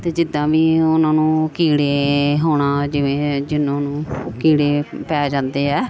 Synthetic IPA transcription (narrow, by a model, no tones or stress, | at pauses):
t̪eːd͡ʒɪd̪ːãːʋiːʊnãːnũːkiːɽeːɦoːɽ̃aːd͡ʒɪʋẽːd͡ʒɪnõːnũːkiːɽeːpɛːd͡ʒãːnd̪eːɛː